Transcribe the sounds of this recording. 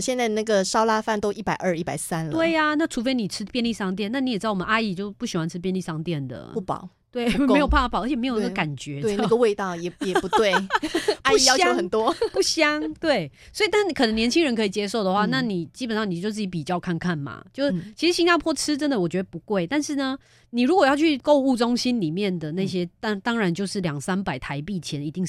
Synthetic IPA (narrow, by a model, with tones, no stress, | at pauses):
ɕjɛ˥˧nt͡sa˥˧ɪna˥˩ɡə˩ʂɑ˥ʊla˥fa˥˩nt̪o˥ʊʔi˥˩pa˨˩ɪʔə˞˥˧i˥˩pa˨˩ɪsa˦nlt̪we˥˧˩ɪa˨na˥˩ʈ͡ʂʰu˧˥fe˥ɪni˨˩ʈ͡ʂʰɻ̩˥pjɛ˥˧nli˥˧ʂɑ˥˧ŋt̪̬jɛ˥˨na˥˩i˦˥ɛ˨˩ɻ̩˥˩˨ə̰˦na˥i˥˩t͡ɕjo˥˧ʊ˧pu˥˩ɕi˨xwa˥˧nʈ͡ʂʰɻ̩˥pjɛ˥˧nli˥˩sɑ˥˧ŋt̪jɛ˥˩nd̪ə̰˩u˥˩pɑ̰˨˩˦ʊ | t̪we˥˩ɪ˥˩m˧˥˧jba˥˩fpə˧˥t͡ɕʰɛ˨me˧˥jo˨˩˨i˥ɡə˧ka˨˩nt͡ɕɥɛ˧˦we˨n˥a˨ɡə˨˧we˥˧ɪt̪ɑ˥˨ʊjɛ˨˩jɛ˨˩pu˨˦t̪we˥˩ɪa˥i˥˨jɑ˥ʊo˧˥ə˨˩nt̪wɔ˦pu˥˩ɕjɑ˥ŋt̪we˥˩ɪswi˨t̪a˥nkʰə˨nə˧˦ŋnjɛ˧nt͡ɕʰi˥ŋɻə˧nkʰɤ˧˥i˨˩t͡ɕjɛ˥ʂ̬o˥˩ʊd̪ə˩xwa˥˧na˥˨ni˨˩t͡ɕi˥pə˨nʂɑ˥˩ŋni˨˩t͡ɕjo˥˧t͡s̬ɻ̩˥˩t͡ɕi˧˥pi˨˩t͡ɕjɑ˥˧ʊkʰa˥˧nkʰa˥˩nma̰˩t͡ɕjo˥˧ʊʂt͡ɕʰi˧˥ʂɻ̩˧˥ɕi˥ŋnja˥˩pʰwɔ˥ʈ͡ʂʰɻ̩˥ʈ͡ʂə˦˥nd̪ə˨wɔ˨˩t͡ɕɥɛ˧˥ə˨˩pu˧˦kwe˥˩ɪt̪a˥˧nʂɻ̩˥˩nə˩ | ni˨˩ɻu˧˥kwɔ˨˩jɑ˥˧ʊt͡ɕʰy˥˧ko˥˧ʊu˥˧˩ʈ͡ʂʊ˥ŋɕi˦˥nli˨˩mjɛ˥˨nd̪ə˩na˥˩ɪɕ̬jɛ˥t̪a˥˧t̪ɑ˥ŋɻa˧˦nt͡ɕjo˥˧ʊʂɻ̩˥˩ljɑ˨˩ŋsa˥npa˨˩ɪt̪ʰa˧˥ɪpi˥˩t͡ɕʰjɛ˧˥ni˧˥t̪i˥˧ŋ